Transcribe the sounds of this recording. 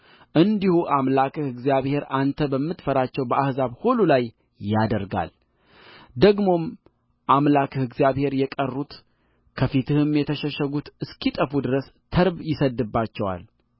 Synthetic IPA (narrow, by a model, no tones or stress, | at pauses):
ʔɨnd̪ihuʔamlakʰɨhɨɡzijaβhe̞ɾant̪ʰəbəmːɨt̪fəɾat͡ʃːɛwbəʔahzaβhululajː | ad̪əɾɡa̰l | d̪əɡmo̞m | ʔamlakʰɨhɨɡzjaβhe̞ɾjɛkʼərːut̪ | kʰəfit̪ʰɨhɨmjɛt̪ʰəʃɛʃəɡut̪ɨskit̪ʼəfud̪ɨɾəst̪ʰəɾbjɪsəd̪ːɨbːat͡ʃːɛwa̰l